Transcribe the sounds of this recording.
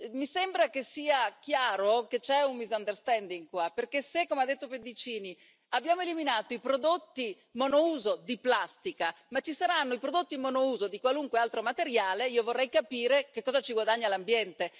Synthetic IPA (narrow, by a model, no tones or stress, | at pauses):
misembɾakesiːakjaːɾoket͡ʃɛunbizand̪erst̪ɛnd̪iŋɡkwaperkesekːomead̪et̪ːoped̪it͡ʃiːni | abːjaːmoeliminaːt̪oipɾod̪ot̪ːi | monouːzod̪iplast̪ika | mat͡ʃːisaɾanːoipɾod̪ot̪ːimonouːzod̪ikwaluŋkwealt̪ɾomat̪eɾjaːleiːovorːɛjkapiːɾekekːɔːzat͡ʃiɡwad̪aɲːalambjɛnt̪e